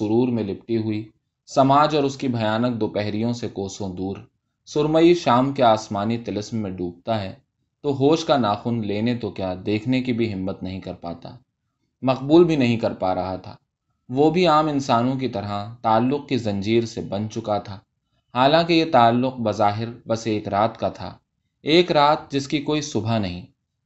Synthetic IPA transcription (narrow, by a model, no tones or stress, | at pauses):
sʊɾuːɾmẽlɪp̚ʈiɦʊi | sɐmaːd͡ʒɔːɾʊskibʱɐjaːnək̚d̪oːpɛɦɾijõsekoːsõd̪uːɾ | sʊɾməiʃaːmkeaːsmaːnit̪ɐlɪsmːẽɖuːp̚t̪aɦɛ | t̪oɦoːʃkanaːxʊnleːnet̪okjaːd̪eːkʰnekibʱiɦɪmːət̪nɐɦĩkɐɾpa̰ːt̪a̰ː | mɐqbuːlbʱinɐɦĩkɐɾpaːɾɐɦat̪ʰa̰ː | ʋoːbʱiaːmɪ̃nsaːnõk̬it̪ɐɾat̪aːlːʊq̚kizɐ̃ɲd͡ʒiːɾsebɐnt͡ʃʊkat̪ʰaː | haːlãːkejet̪aːlːʊqbɐzaːɦɪɾbɐseːkɾaːt̪kat̪ʰa̰ː | eːkɾaːt̪̚d͡ʒɪskikoːisʊbʱanɐɦĩː